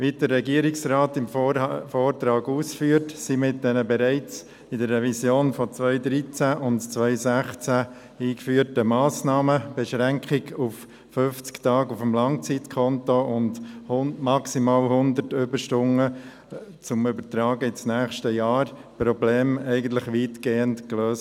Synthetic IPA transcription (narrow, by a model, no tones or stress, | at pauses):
ʋidəːɛɡiəɾɪksɾɑːtɪmfoːɾt̪ɾɑːɡuːsfyːəɾtsimɪt̚d̥ɛnəbɛɾɛɪt͡s | ɪdəɾːɛvisjoːnfɔt͡sʋœʏd̪ɾit͡sæʔʊndt͡sʋœʏsæχt͡sæ | iːkfyːəɾtəmɑːsnɑːməb̥ɛʃɾæŋkʰɪɡuf | fʏft͡sktɑːɡufəmlɑŋt͡sitkʰɔntoʔʊndhmɑksimɑːlhʊnd̪əɾtʏbəɾʃtʊŋə | t͡sʊmʏbəɾtɾɑːɡəɪt͡snæːχʃtəjɑːɾpɾɔbleːmɛɪɡən̩tlɪχʋiːtɡ̥eːəntkløːs